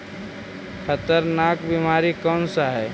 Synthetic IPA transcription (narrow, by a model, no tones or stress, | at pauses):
kʰət̪əɾnaːkbimaːɾikɔːnsaɦɛː